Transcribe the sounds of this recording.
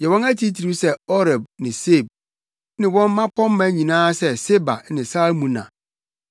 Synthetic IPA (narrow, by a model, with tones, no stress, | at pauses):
jɛ˨wɔ̃˦næ˦tʰi˦tʰi˨ɾi˦sɛ˦ɔ˦ɾɛ˨b̚nɪ̃˨se˦˨b̚ | nɪ̃˨wɔ̃˦m˦mã˦kʰɔ̃˦m˦mã˦ɲĩ˨nãː˦sɛ˦se˦ba˨˦nɪ̃˨sa˦mũ˨nã̰˨